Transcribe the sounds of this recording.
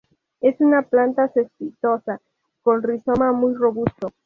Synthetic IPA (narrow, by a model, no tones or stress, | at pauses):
e̞sunaplant̪asespit̪o̞sa | ko̞nrisomamujro̞βust̪o